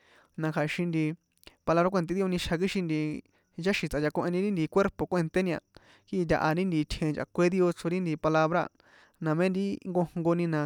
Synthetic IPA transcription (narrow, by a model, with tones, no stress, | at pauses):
nã˧kʰa˨˧ʃĩ˧nd̪i˧ | pa˧la˧βɾa˦kʷe˧t̪̬e˦ði˦o˧nĩ˧ʃʰa˧k̬i˦ʃĩ˧nd̪i˧ | t͡ʃa˦ʃĩ˧t͡sʔa˧ja˧kõ˧ʔe˧nĩ˧ɾĩ˦nd̪i˧kʷe˦ɾpo˨kʷe˦˧nt̪e˦nĩ˧ã̰˧˨ | ki˦˧t̪̬ʲa̰˧ʔa˧ɾĩ˦nd̪iː˧t̪ʲʰhẽ˧nd͡ʒʔa̰˨kʷe˦ði˦o˧t͡so˧ɾĩ˦nd̪i˧pa˧la˧βɾa̰˧˨ | nã˨mẽ˦nd̪i˦ŋɡo˧ŋ̥ŋɡo˧nĩ˧nã˨˧